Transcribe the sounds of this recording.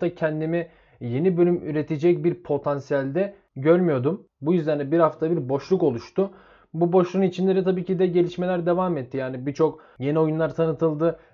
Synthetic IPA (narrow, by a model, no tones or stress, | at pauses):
t̪acʰɛnd̪imi | je̞nibø̞lʲymy̰ɾe̞t̪ʰed͡ʒɛc̚biɾpʰo̞t̪ʰansijælʲd̪ɛ | ɟøɾmyjo̞d̪um | bujyzd̪ænd̪ɛbiɾhaft̪ʰabiɾbo̞ʃlˠuko̞lˠuʃt̪ʊ | bubo̞ʃlˠunit͡ʃʰinlʲe̞ɾit̪ʰabiːcid̪ɛɟe̞lʲiʃme̞lʲæɾd̪e̞vaːmɛt̪ʰːijaːnibit͡ʃʰo̞k | je̞nio̞junlˠaɾt̪ʰanɯt̪ʰɯlˠd̪ɯ